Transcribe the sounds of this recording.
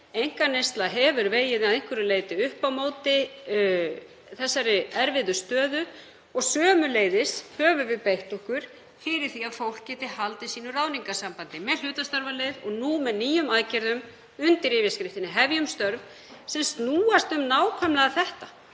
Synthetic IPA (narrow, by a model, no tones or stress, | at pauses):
ejŋ̥kanejst̪laɦɛvʏɾveːjɪðaðẽŋ̥kvʏɾʏleːjt̪ɪʏhpawmoːwt̪ɪ | θɛsːaɾɪɛɾvɪðʏst̪œːðʏ | ɔɣsœːmʏleːjðɪshœːvʏvɪðpejht̪ɔhkʏɾ̥ | fɪɾɪɾ̥θiaðfowl̥kcɛːht̪ɪhalt̪ɪsiːnʏraːwniŋkasampant̪ɪmɛðl̥ʏːt̪ast̪œɾvalejðɔɣnumɛðniːjʏmaːjcɛɾðʏm | ʏnt̪ɪɾɪːvjaskɾɪft̪ɪnɪɦɛvjʏmst̪œɾv | sɛmst̪nuːast̪ʏmnaːwkʰvœmlaɣaθɛht̪a